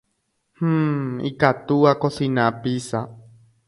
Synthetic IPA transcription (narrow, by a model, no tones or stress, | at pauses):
h̩ːḭkat̪uakosinãpisa